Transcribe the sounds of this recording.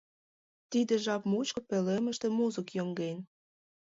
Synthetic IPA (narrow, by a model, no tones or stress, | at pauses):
t̪id̪ĕʒɑpmut͡ɕkŏpelemə̆ʃt̪ĕmuzəkjoŋɡen